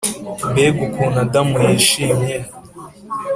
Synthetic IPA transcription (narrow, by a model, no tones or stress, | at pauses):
mbeɡukʰunadamujiʃiːmɲe